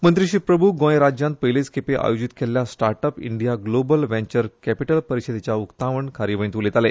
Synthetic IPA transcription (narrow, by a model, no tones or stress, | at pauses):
mənt̪ɾiɕiːpɾəbʱuɡõjɾad͡ʑjãnt̪̚pəjlet͡skʰepeʔa̰jod͡ʑit̪kʰelːjasʈaɾʈəpḭɳɖijaɡlobəlʋẽɲt͡ɕəɾkæpiʈəlpəɾiɕed̪et͡ɕjaukt̪aʋəɳkʰaɾiʋənt̪ulet̪ale